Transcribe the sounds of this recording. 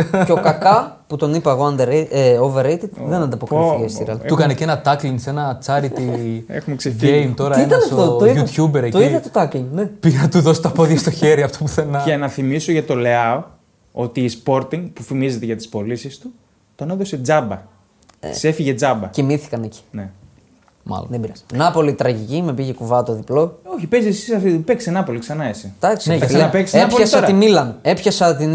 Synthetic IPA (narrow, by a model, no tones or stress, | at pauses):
ceokɐkɐ | put̪o̞nipɐeɣoɐnd̪eɾeeoveɾejt̪it̪ðenɐnd̪ɐpokiest̪iɾɐlukɐnecenɐt̪ɐkliŋse̞nɐt͡sɐɾiiḛxumekseʝejmt̪o̞ɾɐienɐsoooiut̪çubeɾet̪oiðɐt̪ot̪ɐkliŋnepiɐt̪uðo̞si̥t̪ɐpoðʝɐst̪oçe̞ɾiɐft̪o̞puθenɐɐnɐθimisoʝɐt̪o̞leɐo | o̞t̪iːspo̞ɾt̪iŋɡpufimize̞t̪eʝɐt̪i̥spo̞lisist̪u | t̪oneðo̞se̞d͡zɐbɐ̰ | sefiʝe̞d͡zɐbɐcimiθi̥kɐneci̥ne | mɐ̰l̰ðebiɾɐsɐ̥nɐpo̞lit̪ɾɐʝicimepiʝekuvɐt̪oðiplo̞o̞çipezisisɐfipeksenɐpo̞liksɐnɐesid̪̥ɐksieɐleɐpekseɐpoçɐsɐɾimilɐne̞pçɐsɐt̪in